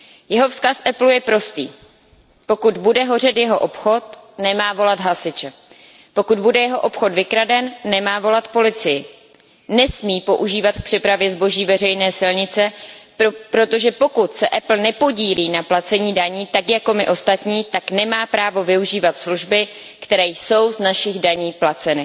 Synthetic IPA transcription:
jɛɦo̞fskasʔɛplujɛpɾo̞st̪ḭː | po̞kud̪budɛɦo̞rɛt̪jɛɦo̞ʔopxo̞t̪nɛmaːvo̞lat̪ɦasɪt͡ʃɛ | po̞kud̪budɛjɛɦo̞ʔo̞pxo̞t̪vɪkɾadɛnːɛmaːvo̞lat̪po̞lɪt͡sɪjɪ | nɛsmiːpo̞ʔuʒiːvat̪k̚pr̥ɪpɾavjɛzbo̞ʒiːvɛr̝ɛjnɛːsɪlɲɪt͡sɛ | pɾo̞t̪o̞ʒɛpo̞kut̪sɛʔɛpl̩nɛpo̞ɟiːliːnaplat͡sɛɲiːdaɲiːt̪akjako̞mɪʔost̪at̪ɲiːt̪aknɛmaːpɾaːvo̞vɪuʒiːvat̪sluʒbɪ | kt̪ɛɾɛːjso̞wznaʃɪɣdaɲiːplat͡sɛnɪ

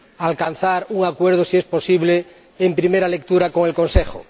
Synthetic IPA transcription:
alkan̟θaɾuŋakweɾðosiespo̞siβleː | mpɾimeɾalek̚t̪uɾako̞ŋe̞lko̞nsexo̰

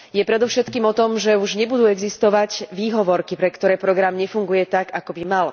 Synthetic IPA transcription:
jɛpɾɛd̪ɔʊʃɛt̪kiːmɔt̪ɔmʒɛuʒɲɛbud̪uːɛɡzist̪ɔʋaɟʋiːɦɔʋɔɾkipɾɛkt̪ɔɾɛːpɾɔɡɾamɲɛfuŋɡujɛt̪aɡakɔbimal

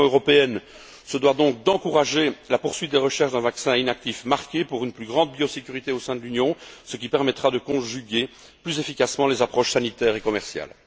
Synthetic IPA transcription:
øʁɔpeɛn | səd̪wad̪ɔ̃k̚d̪ɑ̃kuʁaʒelapuʁsɥit̪̚d̪eʁəʃɛʁʃd̪ɛ̃vaksɛ̃inak̚t̪ifmaʁkʲepuʁynplyɡʁɑ̃d̪̚bjosekʲyʁit̪eosɛ̃d̪əlynjɔ̃sək̬ʲipɛʁmɛt̪χad̪əkɔ̃ʒyɡʲe | plyzefikasmɑ̃lezapχɔʃsanit̪ɛːʁekɔmɛʁsja̰l

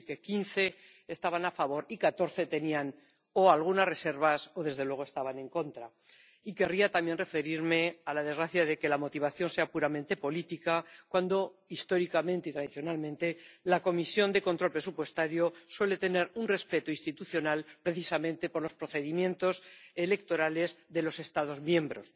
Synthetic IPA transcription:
ke̞kinθe̞ | est̪aβanafaβ̞o̞ɾikat̪o̞ɾθe̞t̪e̞nian | oalɣ̞unasre̞se̞ɾβ̞aso̞ðe̞zðe̞lwe̞ɣ̞o̞e̞st̪aβanẽ̞ŋko̞nt̪ɾa | ike̞riat̪amje̞nre̞fe̞ɾiɾme̞alaðe̞zɣɾaθjaðe̞ke̞lamo̞t̪iβ̞aθjo̞nse̞apuɾamẽnt̪e̞po̞lit̪ikakwand̪o̞ist̪o̞ɾikamẽnt̪eit̪ɾaðiθjo̞nalmẽnt̪e̞lako̞misjo̞nd̪e̞kont̪ɾo̞lpɾe̞s̬upwe̞st̪aɾjoswe̞le̞t̪e̞ne̞ɾunre̞spe̞t̪oinst̪it̪uθjo̞nalpɾe̞θisamẽ̞nt̪e̞po̞ɾlo̞spɾo̞θe̞ðimjẽ̞nt̪o̞se̞le̞k̚t̪o̞ɾale̞zðe̞lo̞se̞st̪að̞o̞zmjẽ̞mbɾo̞s

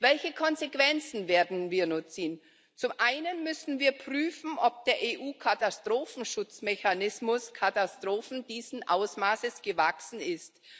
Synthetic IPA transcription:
vɛlçəkʰɔnzekv̥ɛnt͡sn̩veːɐdn̩viːɐnʊt͡sn | t͡sʊmʔaɪnənmʏsn̩viːɐpʁ̥yːfn̩ʔɔp̚d̥eːɐʔeːʔuːkʰatastʁ̥oːfn̩ʃʊt͡smɛçanɪsmʊskʰatastʁ̥oːfn̩diːzn̩ʔaʊsmaːsəsɡ̥əvaksn̩ɪst

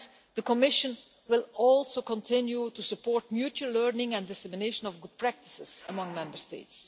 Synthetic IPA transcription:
d̥̪əkɔmɪʃə̃n | wɪlˠɔlˠsokə̃ntɪ̃njutusəpɔːɹtmjut͡ʃuəlɜɹnɪ̃ŋɛ̃ndɪsɛmɪneɪʃə̃nɔvɡʊd̚pʰɹæk̚tɪ̥sɪz̥əmʌ̃ŋmɛ̃mbəɹsteɪts

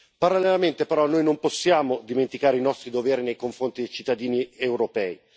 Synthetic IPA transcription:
paɾalːelament̪epeɾɔnːoːjnomposːjaːmod̪iment̪ikaːɾeinɔst̪ɾid̪ovɛːɾinejkoɱfɾont̪id̪ejt͡ʃi̥t̪ːad̪iːniewɾopɛːi

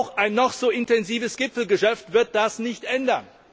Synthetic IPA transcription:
ʊxʔaɪnːɔχz̥oːɪntɛnziːvəsɡ̥ɪpfl̩ɡəʃɛftv̥ɪɐt̚d̥asnɪçtʔɛndɐn

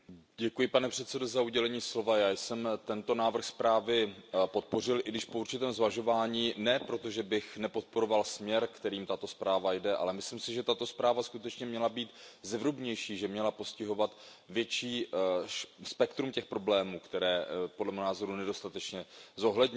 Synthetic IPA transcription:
ɟɛkujɪpanɛpr̝̥ɛt̪sɛdo̞zauɟɛlɛɲiːslo̞vajaːjsɛmt̪ɛnt̪o̞naːvr̩xspɾaːvɪpo̞t̪̚po̞r̝ɪlʔɪɡdɪʃpo̞uɾt͡ʃɪt̪ɛːmzvaʒo̞vaːɲiːnɛpɾo̞t̪o̞ʒɛbɪxnɛpo̞t̪̚po̞ɾo̞valsmɲɛɾkt̪ɛɾiːmt̪at̪o̞spɾaːvajdɛʔa̰lɛmɪslɪmsɪʒɛt̪at̪o̞spɾaːvaskut̪ɛt͡ʃɲɛmɲɛlabiːt̪zɛvɾubɲɛjʃiːʒɛmɲɛlapo̞scɪɦo̞vat̪ | vjɛt͡ʃiː | spɛkt̪ɾumcɛxpɾo̞blɛːmuːkt̪ɛɾɛːpo̞dlɛmɛɦnaːzo̞ɾunɛdo̞st̪at̪ɛt͡ʃɲɛzo̞ɦlɛdɲ

